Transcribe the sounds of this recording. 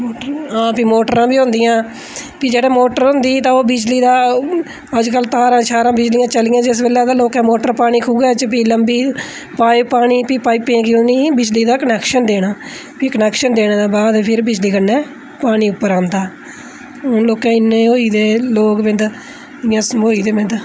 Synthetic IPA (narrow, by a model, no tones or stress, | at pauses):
moːɦãːpiːmoːʈəɾãːbiːɦʊ̃nd̪ɪjãː | piːd͡ʒeːɽãːmoːʈəɾɦʊ̃nd̪iːt̪ãːoːbɪd͡ʒliːd̪aː | əd͡ʒkəlt̪aːɾãːt͡ʃʰaːɾãːbɪd͡ʒlijãːt͡ʃəlɪjãːd͡ʒɪs̬beːlãːd̪aːloːkɛ̃ːmoːʈəɾpaːɽ̃iːkʰuːɡɛːt͡ʃpiːləmbiː | paːiːpaːɽ̃iːpiːpaːiːpẽːkiʊniːbɪd͡ʒliːd̪aːkənɛːkʃənd̪eːɽaː | piːkənɛːkʃənd̪eːɽ̃ãːd̪ãːbaːd̪pʰɪɾbɪd͡ʒliːkənːɛː | paːɽ̃iːʊpːəɾãːnd̪aː | ɦʊnloːkãːɪnːẽːɦoːiːd̪eːloːkʋɪ̃nd̪ | ɪjãːsmoːiːd̪eːmɪ̃nd̪